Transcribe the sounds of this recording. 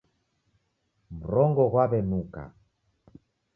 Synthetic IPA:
m̩ɾɔŋɡɔɣwaβɛnuka̰

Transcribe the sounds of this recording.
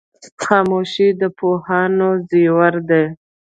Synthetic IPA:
xɑmoʃid̪əpohɑnoziwaɾd̪e

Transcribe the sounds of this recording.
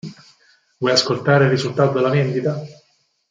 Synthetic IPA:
vɔjaskolt̪aːɾeirːizult̪aːt̪od̪elavɛnd̪it̪a

